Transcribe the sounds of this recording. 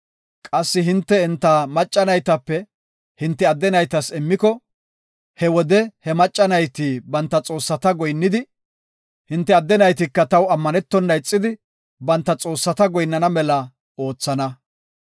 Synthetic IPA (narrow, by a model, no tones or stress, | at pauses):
kʼɐsːɪɦɪnt̪ːɛɪnt̪ːɐmɐt͡ʃʼːɐnɐjt̪ɐpːɛ | hɪnt̪ːɛɐd̪ːɛnɐjt̪ɐsɛmːɪkɔ | hɛwɔd̪ɛhɛmɐt͡ʃʼːɐnɐjt̪iːbɐnt̪ːɐt͡sʼo̞ːsːɐt̪ɐɡɔjnːɪd̪ɪ | hɪnt̪ːɛɐd̪ːɛnɐjt̪̬ɪkːɐt̪ɐwɐmːɐnɛt̪ːɔnːɐjt͡sʼːɪd̪ɪ | bɐnt̪ːɐt͡sʼo̞ːsːɐt̪ɐɡɔjnːɐnɐmɛlɐ | o̞ːt͡sːɐnɐ